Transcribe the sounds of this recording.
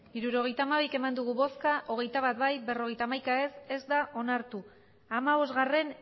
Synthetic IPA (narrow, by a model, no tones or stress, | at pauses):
iɾuɾo̞ɣ̞e̞jt̪aːmaβ̞ike̞mand̪uɣ̞uβo̞skaʔo̞ɣ̞e̞jt̪aβat̪bajbe̞ro̞ɣe̞jt̪amajkaese̞zd̪aʔo̞naɾt̪u | amaβo̞zɣare̞n